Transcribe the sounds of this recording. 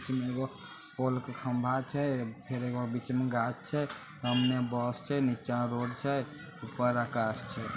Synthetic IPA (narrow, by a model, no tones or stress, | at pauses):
t͡ʃmẽeɡo | polkekʰə̃mbʱat͡ʃʰɛpʰeɾeɡobit͡ʃmeɡat͡ʃt͡ʃʰɛ | t̪əmnebɔst͡ʃʰɛnit͡ʃãɾoɖt͡ʃʰɛ | upəɾakast͡ʃʰɛ